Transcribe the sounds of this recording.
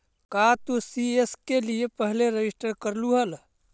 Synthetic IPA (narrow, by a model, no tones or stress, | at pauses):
kat̪osieskeliepəɦleɾed͡ʒɪsʈəɾkəɾluɦəl